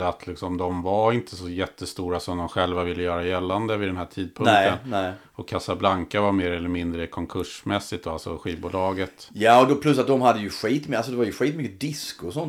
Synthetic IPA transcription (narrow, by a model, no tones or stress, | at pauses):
at̪ʰlɪksɔmd̪ɔmvaɾɪnt̪ʰəsɔjɛt̪ʰːəst̪uːɾasɔmd̪ɔmɧɛlvavɪlːəjœːɾajɛlːand̪əvɪd̪ɛnɦæːʈʰiːd̪̚pʰɵnŋkt̪ənnɛ | ɔkʰːasablaŋkavameːɾɛlːəɾmɪnd̪ɾəkʰɔŋkʰɵʂmɛsːɪt̪ɔalsɔɧiːvbuːlɑːɡət̪jɑːɔd̪ɔpʰlɵs̬ːat̪̚d̪ɔmhad̪ːəjɵɧiːt̪mals̬ɔd̪ɛvaɾjɵɧiːt̪mʏkːəd̪ɪskʊsɔn